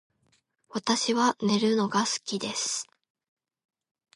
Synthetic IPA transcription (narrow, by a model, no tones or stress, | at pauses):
βat̪aɕiβane̞ɾɯ̟no̞ɡasɨ̥kʲid̪e̞sɨ̥